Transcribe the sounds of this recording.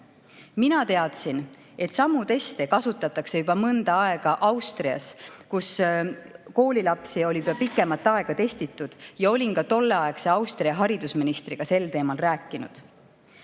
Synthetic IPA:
minɑt̪e̞ɑt̪sin | e̞t̪ːˑsɑmːut̪e̞st̪e̞kɑsut̪ːˑɑt̪ːˑɑkse̞jubɑmɤnd̪̥ɑɑe̞ɡ̥ɑʔɑwst̪riɑ̰skus | ko̞ːlʲilɑpsio̞lʲi̥ɑpikːˑe̞mɑt̪ːˑɑe̞ɡ̥ɑt̪e̞st̪it̪ːˑud̪̥jɑo̞lʲinkɑt̪o̞lːe̞ɑe̞kse̞ɑwst̪riɑɦɑɾid̪̥usminist̪riɡ̥ɑse̞lt̪e̞ːmɑlræːkːˑinṵd̪̥

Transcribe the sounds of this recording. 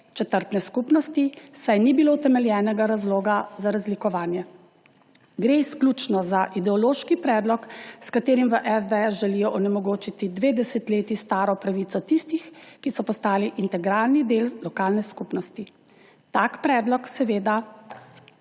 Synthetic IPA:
t͡ʃɛt̪əɾt̪nɛskupnɔst̪isajnibilot̪ɛmɛljɛːnɛɡaɾazloːɡazaɾazlikɔʋaːnjɛ | ɡɾeisklʲut͡ʃnɔzaʔid̪ɛɔloːʃkipɾɛːd̪lɔkskat̪eːɾimʋəʔɛzd̪ɛɛsʒɛlijɔʔɔnɛmɔɡoːt͡ʃit̪id̪ʋeːd̪ɛsɛt̪leːt̪ist̪aːɾɔpɾaʋiːt̪sɔt̪ist̪ixkisɔpɔst̪aːliʔint̪ɛɡɾaːlnid̪eːllɔkaːlnɛskupnɔst̪i | t̪akpɾɛːd̪lɔksɛʋeːd̪a

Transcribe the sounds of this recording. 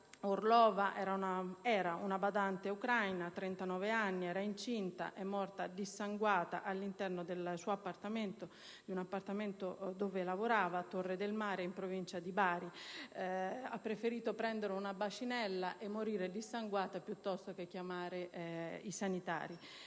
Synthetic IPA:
orlɔːvaʔɛːɾaunaɛːɾaʔunabad̪ant̪eukɾajnat̪ɾɛnt̪anɔːveanːiɛːɾaint͡ʃint̪a̰ʔemːɔrt̪ad̪isːaŋɡwaːt̪aʔalːint̪ɛrnod̪elsuapːart̪ament̪o | d̪iunapːart̪ament̪od̪oːvelavoɾaːvat̪orːed̪elmaːɾeimpɾovint͡ʃad̪ibaːɾi | apːɾefeɾiːt̪opɾɛnd̪eɾeunabat͡ʃinɛlːaʔemːoɾiːɾed̪isːaŋɡwaːt̪apjut̪ːɔst̪ok̟ek̟ːjamaːɾeisanit̪a̰ːɾi

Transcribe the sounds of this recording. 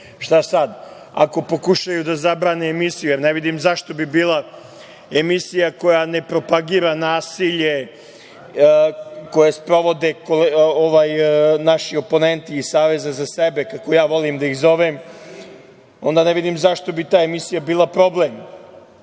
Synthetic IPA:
ʃt̪asad̪ | a̰ko̞po̞kuʃajud̪azabɾaːneːmisijujeɾneʋid̪imzaʃt̪o̞bibiːlˠa | emisijako̞jane̞pɾo̞paɡiːɾanaːsiʎe̞ | ko̞jespɾo̞ʋo̞d̪ekoloʋaːjnaʃio̞po̞ne̞nt̪iːsaːʋe̞zazasebekako̞jaːʋo̞limd̪aiɣzo̞ʋem | o̞nd̪aneʋid̪imzaʃt̪o̞bit̪aːemisijabiːlˠapɾo̞blem

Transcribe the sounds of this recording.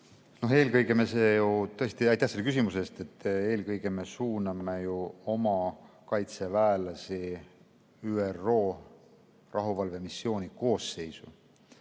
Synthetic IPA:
no̞ɦe̞ːlkɤjɡemeseːjut̪ɤ̞est̪iɑjt̪ːæhse̞lkysimuse̞st̪e̞t̪ːˑe̞ːlkɤjɡ̥eme̞suːnɑmejuo̞mɑ | kɑjt̪se̞væelɑsi | yːero̞ː | rʔɑɦuvɑlvemisːjo̞ːnʲiko̞ːsːe̞jsu

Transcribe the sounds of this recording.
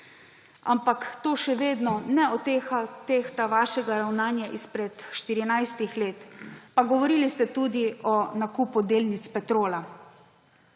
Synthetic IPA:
a̰mpakt̪oːʃɛʋeːd̪nɔnɛɔt̪eat̪ext̪aʋaːʃɛɡaɾawnaːnjaʔispɾɛt̪ʃt̪iɾinajst̪ixleːt̪paɡɔʋɔɾiːlist̪ɛt̪uːd̪iɔnakupud̪eːlnit̪spɛt̪ɾoːla

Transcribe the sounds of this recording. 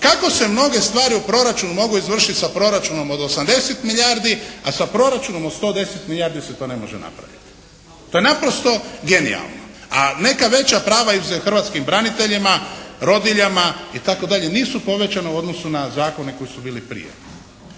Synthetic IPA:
kako̞se̞mno̞ɡe̞st̪ʋaːɾiupɾo̞ɾat͡ʃunumo̞ɡuizʋr̩ʃit̪ʲsapɾo̞ɾat͡ʃuno̞mo̞d̪o̞samd̪e̞set̪miʎaɾd̪iasapɾo̞ɾat͡ʃuno̞mod̪st̪o̞d̪e̞set̪miʎaːɾd̪iset̪o̞ːne̞mo̞̰ʒḛna̰pɾa̰ʋḭt̪i̥ | t̪oːjenapɾo̞st̪o̞ɡe̞nḭa̰lˠno | ane̞kaʋe̞t͡ɕapɾaːʋaizuzexr̩ʋat̪skimbɾanit̪e̞ʎimaɾo̞d̪iʎamait̪ako̞d̪aʎe̞niːsupo̞ʋe̞t͡ɕaneuo̞d̪no̞sunazaːko̞ne̞ko̞jisubiːlipɾḭjḛ

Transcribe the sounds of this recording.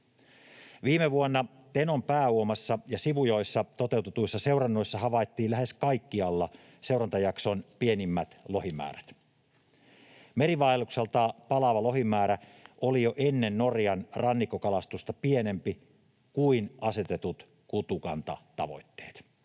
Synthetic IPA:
ʋiːmeʋuonːɑ | t̪eno̞mpæːuomɑsːɑjɑsiʋujo̞jsːɑt̪ot̪e̞uwt̪et̪uisːɑse̞urɑnːojsːɑɦɑʋɑjt̪ːiːllæhe̞skɑikːiɑlːɑ | se̞wrɑnt̪ɑjɑkso̞npie̞nimːæt̪lo̞himæ̰ːɾæ̥t̪ | me̞riʋɑilːukselt̪ɑːpɑlɑʋɑlo̞ɦimæːɾæʔolijoʔe̞nːenːo̞rjɑnrɑnːikːokɑlɑst̪ust̪ɑpie̞ne̞mpi | kuinɑse̞t̪e̞t̪ut̪ | kut̪ukɑnt̪ɑ̰t̪ɑ̰ʋo̞̰jt̪ːe̞̥̰ːt̪

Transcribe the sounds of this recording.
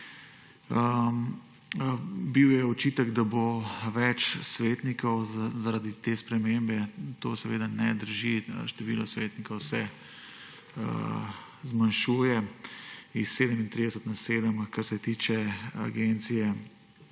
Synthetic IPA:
ə | biwjɛɔt͡ʃiːt̪əɡd̪aboʋɛt͡ʃsʋeːt̪nikɔwzaɾad̪it̪eːspɾɛmembɛt̪osɛʋeːd̪anɛd̪əɾʒiʃt̪ɛʋiːlɔsʋeːt̪nikɔʊwsɛ | zmanʃuːjɛ | isːeːd̪əmint̪ɾiːd̪ɛsət̪naseːd̪əmkaɾsɛt̪iːt͡ʃɛa̰ɡent̪sijɛ

